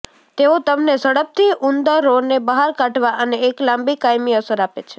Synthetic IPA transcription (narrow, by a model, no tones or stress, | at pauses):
t̪eot̪əmnesəɽəp̚t̪ʰiʔund̪əːoɾnebəɦaɾkãʈʋaʔəneːklãmbikajmiəsəɾapet͡ʃʰe